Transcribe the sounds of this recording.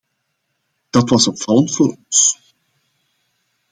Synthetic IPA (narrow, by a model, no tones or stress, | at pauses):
d̥ɑtʋɑsəfɑlˠnvʊːɾɔns